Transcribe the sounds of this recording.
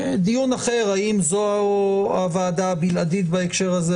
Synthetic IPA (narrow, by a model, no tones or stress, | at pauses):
d̪ijunaχe̞ʁaimzooavaːd̪aːbilad̪it̪̬baekʃe̞ʁaze